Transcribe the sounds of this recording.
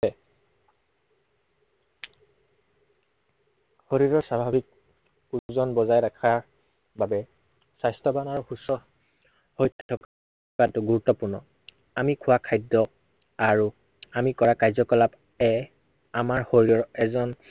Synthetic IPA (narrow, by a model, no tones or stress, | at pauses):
ɛ | hoɹiɹɔɹsabʱabik̚ | uzɔnbɔzajɹakʰaɹ | babɛ | sajstɔbanaɹuxusɔ | hojtʰːɔk | katʊɡuɹutːɔpuɹnɔ̰ | amikʰʊwakʰajdɔ | aɹu | amikɔɹakajzɔkɔlap | ɛ | amaɹhoɹiɔɹɛzɔn